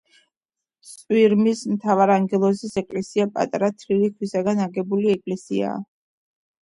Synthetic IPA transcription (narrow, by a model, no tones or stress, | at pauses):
t̪sʼwiɾmismt̪ʰavaɾaŋɡɛlˠɔsisɛkʼlɛsiapʼa̰t̪ʼɾat̪ʰlilikʰwisaɡanaɡɛbuliɛkʼlɛsḭa̰ː